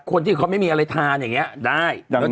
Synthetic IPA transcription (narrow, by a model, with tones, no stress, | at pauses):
kʰo˧nt̪ʰiː˥˩kʰa˦˥ma˥˩jmiː˧ʔa˧ɾa˧jt̪ʰaː˧njaː˨˩ŋːi˦˥ɐdaː˥˩jɛ˦˥